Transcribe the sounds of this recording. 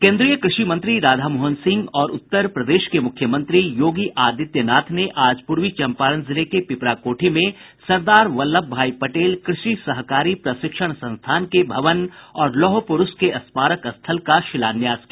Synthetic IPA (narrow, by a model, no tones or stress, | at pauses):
kẽːnd̪ɾijəkɾɪʃimɐ̃nt̪ɾiɾaːd̪ʱaːmoːɦənsɪ̃ŋɡɔːɾʊ̰t̪ːəɾpɾɐd̪eːʃkemʊkʰːjəmɐ̃nt̪ɾijoːɡiʔaːd̪ɪt̪jənaːt̪ʰneʔaːd͡ʒpʊɾʋit͡ʃɐ̃mpaːɾənzɪlekepɪpɾakoːʈʰimẽ | sɐɾd̪aːɾʋɐlːəb̚bʱaːipɐʈeːlkɾɪʃisɐɦkaːɾipɾɐʃɪkʃəɽ̃sɐ̃nst̪ʰaːnkebʱɐʋənɔːɾlɔːɦopʊɾʊskeɐspaːɾəkɐst̪ʰəlkaʃɪlaːnjaːskia